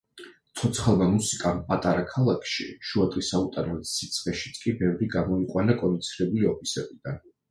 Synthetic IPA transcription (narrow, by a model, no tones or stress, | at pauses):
t̪sʰɔt̪sʰχalˠmamusikʼampʼat̪ʼaɾakʰalˠakʰʃḭʃuat̪ʼisaut̪ʼanɛlisit̪sʰʼχʼɛʃit̪sʰkʼibɛvɾiɡamɔiqʼwanakʼɔnit̪sʰiɾɛbuliɔpʰisɛbid̪̥an